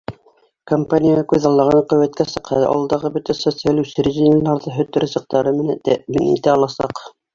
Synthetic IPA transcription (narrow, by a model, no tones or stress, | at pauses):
kompanʲijaɑkʉðɑlˠːɑʁɑɴqɵ̆wæt̪kæsɤ̆qhɑ̰ʔɑ̰lˠd̪ɑʁɤbɵt̪æsot̪sɨalʲʉsɘɾiʒʲinʲlːɑɾðɤɦɵ̆t̪ɘ̆ɾɘzɤ̆q̚t̪ɑɾɤmɘ̆næt̪æminḭt̪æɑlˠɑsɑq